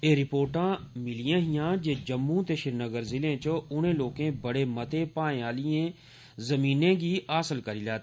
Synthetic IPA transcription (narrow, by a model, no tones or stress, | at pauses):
eːɾɪpoːɾʈãː | mɪlɪjãːɦɪjãːd͡ʒeːd͡ʒəmːũt̪eʃɪɾnəɡəɾzɪlẽːt͡ʃəʊn̤ẽːloːkẽːbəɽeːmət̪epãːẽaːlɪẽː | zəmiːnẽːɡiːaːsəlkəɾiːlaːt̪ː